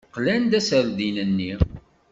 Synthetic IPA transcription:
qlænd̪æsəɾðinənːi

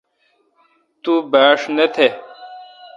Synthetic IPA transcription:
t̪ubaːʂnet̪ʰe

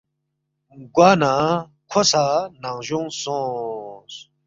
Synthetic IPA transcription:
ɡwaːna | kʰosanaŋʑuŋsõːs

